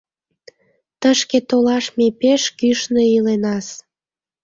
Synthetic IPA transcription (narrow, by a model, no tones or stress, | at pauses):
t̪əʃket̪olɑʃmepeʃkyʃneilenɑs